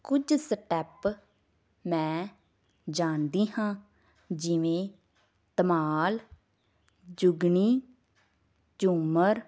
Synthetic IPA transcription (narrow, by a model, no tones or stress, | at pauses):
kʊd͡ʒsəʈɛːp | mɛ̃ː | d͡ʒaːnd̪iːɦãː | d͡ʒɪʋẽː | t̪əmaːl | d͡ʒʊɡɳiː | d͡ʒuməɾ